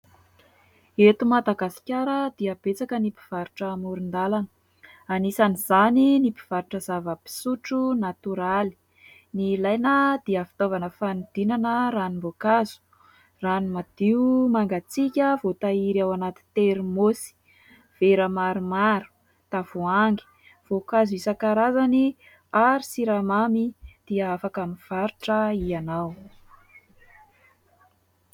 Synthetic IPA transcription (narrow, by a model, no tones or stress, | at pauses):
et̪umad̪aɡasi̥kʲaɾəd̪iab̥et͡sakənipi̥v̥aɾuʈ͡ʂəmuɾund̪alanə | anisaniz̥aninipi̥v̥aɾuʈ͡ʂəzavəpi̥suʈ͡ʂunat̪uɾali̥ | nilajnəd̪̥iəfi̥t̪ovanəfanid̪̥inanəɾanimbokaz̥u̥ | ranimad̪̥iumaŋɡat͡sikʲəvot̪aiɾiawanat̪i̥t̪eɾimosi̥ | v̥eɾəmaɾumaɾu̥ | t̪av̥uaŋɡi̥ | v̥okazisəkaɾazani | aɾisiɾamamid̪̥iəafakamiv̥aɾuʈ͡ʂəianaw